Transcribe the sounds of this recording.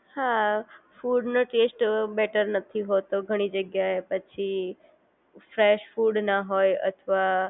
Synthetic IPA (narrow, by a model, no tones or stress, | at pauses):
hafuɖnoʈesʈbɛʈəɾnət̪ʰiɦot̪oɡʱəɽ̃id͡ʒəɡjaepət͡ʃʰi | fɾeʃfuɖnaɦojə̰t̪ʰəʋa